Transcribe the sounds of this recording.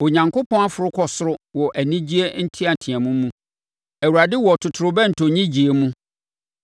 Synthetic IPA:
o˨ɲã˨ŋkʰʊ˦pʰɔ̃˦a˦fʊ˨ɾʊ˦kʰɔ˨sʊ˦ɾʊ˦wɔ˨ʔæ˨nĩ˦d͡ʑi˦e˦n̩˦tʰi˦a˨tʰɪ̃˨ɛ̃˨mũ˦mũ˦ | æ˨wu˨ɾa˨dɪ˦wɔ˨tʰʊ˨tʰʊ˨ɾʊ˨bɛ˦n̩˨tʰo˨ɲĩ˦d͡ʑi˨e˨mũ˦

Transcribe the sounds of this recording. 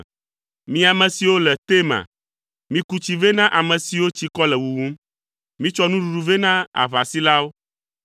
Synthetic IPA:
mĩ˦a˨mɛ̃˨si˨wo˦lɛ˨t̪e˦mã̰˨ | mĩ˦ku˦t͡ɕi˨ve˦nã˦ʔa˨mɛ̃˨si˨wo˦t͡ɕi˦kɔ˦lɛ˨wu˨wũ˦m | mĩ˦t͡ʃɔ˦nũ˦ɖu˨ɖu˨ve˦nã˦a̰˨βa˨si˦la˦wo˦

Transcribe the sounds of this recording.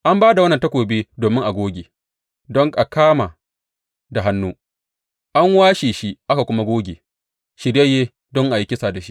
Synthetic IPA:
ʔa˦mbaː˦da˨wɐ˦nːɐ˨ntɐ˦kʷoː˨beː˦doː˨mɪ˦ŋʔa˨ɡʷoː˦ɡʲeː˨ | dɔ˦ŋʔa˨kaː˦ma˨ | da˨ɦa˦nːuː˦ | ʔa˦ŋwaː˦ʃiː˨ʃi˦ʔa˦ka˨kʷʊ˦ma˦ɡʷoː˦ɡʲeː˨ | ʃɪ˨ɾje˦jeː˦ | dɔ˦ŋʔa˨ji˦kʲɪ˦sa˨da˨ʃi˦ʔ

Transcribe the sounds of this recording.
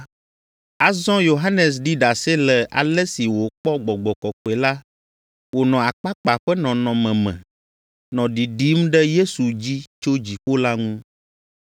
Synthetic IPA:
a˨zɔ̃˦jo˨ɦa˦nɛ˨s̬ɖi˦ɖa˨se˦lɛ˨ʔa̰˨lɛ˦si˨wo˨k͡pɔ˦ɡ͡bɔ˨ɡ͡bɔ˨kɔ˨k͡pɛ˨la˦ | wo˨nɔ̃˨a˨k͡pa˦k͡pa˨ɸɛ˦nɔ̃˨nɔ̃˨mɛ̃˨mɛ̰̃˨ | nɔ̃˨ɖi˨ɖi˦mɖɛ˦je˦su˨d͡ʑi˦t͡ʃo˦d͡ʑi˨ɸo˦la˦ŋũ˦

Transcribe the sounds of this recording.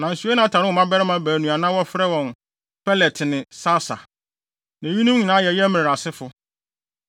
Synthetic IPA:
nã˨n̩˨su˨˦a˦nã˨˦tʰa˨ɾɪ˦ʊ˨mã˦bɛ˦ɾɪ˦mã˦bæː˨nũ˨a˨nã˦wɔ˦fɪ˦ɾɛ˦wɔ̃˨n | pʰɛ˦lɛ˨tʰnɪ̃˨sa˦sa̰˨ | næ̃˨ji˦nũ˦mɲĩ˨nãː˦jɛ˨jɛ˦mɪ̃˨a˨sɪ˦fʊ˨

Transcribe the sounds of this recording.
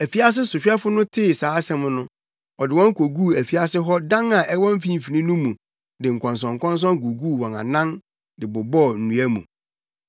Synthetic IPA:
æ˨fi˦a˦s̬ɪ˦sʊ˨ɕᶣɛ˦fʊ˦nʊ̃˦tʰɪ˦˨saː˨˦sɛ̃˦m˦nʊ̃˦ | ɔ˨dɪ˨wɔ̃˦ŋ˦kʰo˨ɡuː˦˨æ˨fi˦a˦sɪ˦ɦɔ˦dã˦nã˨ʔɛ˦wɔ̃˦m̩˦fĩ˦m̩˨fi˨nĩ˦nũ˦mũ˨ | dɪ˨ŋ̩˨kʰɔ̃˨ns̬ɔ̃˨ŋ̩˨kʰɔ̃˦n˦s̬ɔ̃˦ŋ˦k̬o˨ɡuː˦˨wɔ̃˨nã̰˨nã˦n | dɪ˨bʊ˨bɔ˦˨n̩˨nũ˨æ˦mṵ̃˨

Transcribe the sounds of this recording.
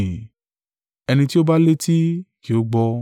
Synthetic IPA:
ɛ˧nĩ˧ti˦o˦ba˦le˦ti˦ki˨o˨˦ɡ͡bɔ˧

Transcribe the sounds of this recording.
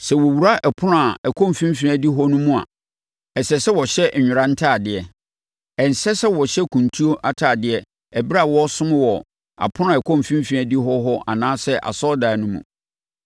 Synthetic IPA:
sɛ˨wɔ˨wu˨ɾa˦ʔɛ˨pʰʊ˦nʊ̃˦a˨ɛ˨kʰɔ̃˦m˨fĩ˦m˦fĩ˨a˨di˦ɦɔ˦nũ˦mũ˦a̰˨ | ɛ˨sɛ˨sɛ˦wɔ˨ɕɛ˦˨ɲᶣʊ˨ɾã˦n̩˦tʰaː˦˨dɪ˨ɛ˨ | ɛ˨n˨sɛ˦sɛ˦wɔ˨ɕɛ˦kʰũ˨ntʰu˦o˦ʔa˦tʰaː˨dɪ˦ɛ˦ | ɛ˨bɾa˦˨wɔ˦sʊ̃˦mɪ̃˦wɔ˨ | a̰˨pʰʊ˦nʊ̃˦a˨ɛ˨kʰɔ̃˦˨m˨fĩ˦m˦fĩ˨æ˨di˦ɦɔ˦ɦɔ˦ʔa̰˨nãː˦sɛ˦ʔa̰˨sɔ˦da˨nʊ̃˦mṵ̃˨

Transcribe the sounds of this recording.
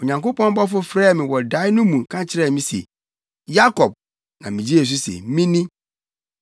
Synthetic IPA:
o˨ɲã˨ŋko˦pɔ̃˦m˦bɔ˦fʊ˦fɾɛː˦˨mɪ̃˨wɔ˨da˨˦ɪ˦nʊ̃˦mũ˨kʰã˦t͡ɕʰɪ˦ɾɛ˦˨mĩ˦sḛ˨ | ja˦kʰɔ˨b̚ | nã̰˨mɪ̃˨d͡ʑi˦e˨s̬u˦sḛ˨mĩ˦nĩ˦

